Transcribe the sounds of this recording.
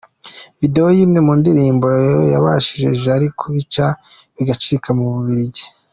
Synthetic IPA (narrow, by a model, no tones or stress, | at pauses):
vide̞o̞jiːmŋe̞muːndiɾiːmbo̞jaβaʃiʒe̞ʒeaɾikʰoβit͡ʃa | βiɡat͡ʃiɾikʰamuβuβiɾiɟe̥